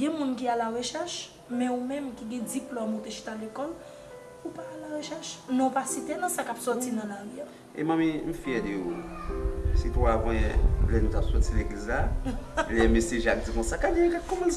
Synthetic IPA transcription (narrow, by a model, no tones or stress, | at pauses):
ɡɛ̃mũnkialaʁeʃɛʃ | mɛ̃umɛ̃mkiɡɛ̃d͡ziplɔmut̪eʃi̥t̪alekɔl | upaːlaʁeʃɛʃnɔ̃upasit̪enɐ̃sakapsɔt͡sinɐ̃laɣia | ḛmãmĩm̩fiɛd̪eo | sit̪wavɛ̃jɛ̰̃lɛnũt̪apsɔt͡sileɡlizlalɛ̃mesjeʒak̚d͡zikɔ̃sakadiekakɔmɛl